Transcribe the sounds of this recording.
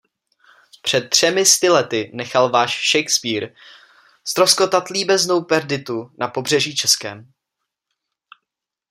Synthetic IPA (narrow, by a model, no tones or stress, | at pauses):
pr̝̥ɛt̪̚ːr̝̥ɛmɪst̪ɪlɛt̪ɪnɛxalvaːʃʃɛjkspiːɾ | st̪ɾosko̞t̪at̪liːbɛzno̞wpɛɾdɪt̪unapo̞br̝ɛʒiːt͡ʃɛskɛ̰ːm